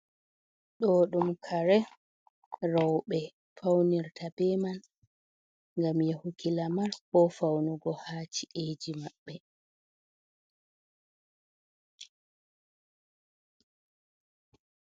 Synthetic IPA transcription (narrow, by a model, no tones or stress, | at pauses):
ɗɔːɗumkʰaɾɛ | rɔwɓɛ | fawniɾtʰabɛman | ŋɡamjahukʰilamaɾbɔfawnuɡɔhaːt͡ʃiʔeːd͡ʒimaɓːɛ